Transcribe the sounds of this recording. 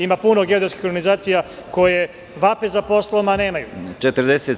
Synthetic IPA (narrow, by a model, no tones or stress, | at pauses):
imapunoɡed̪ɾoski̥xoɾɡanizaːt̪sijako̞je̞ | ʋape̞zapo̞slomane̞ːmajṵt͡ʃet̪əɾd̪ese